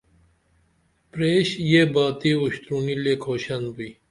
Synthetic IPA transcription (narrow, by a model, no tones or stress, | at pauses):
pɾeːɕjebaːt̪iːuɕt̪ɾuːnilekʰoːɕɐnbi